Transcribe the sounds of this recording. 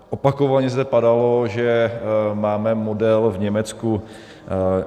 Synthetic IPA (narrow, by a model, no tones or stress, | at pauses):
ʔopakovaɲɛzd̪ɛpadaloʒɛmaːmɛmodɛlvɲɛmɛt͡sku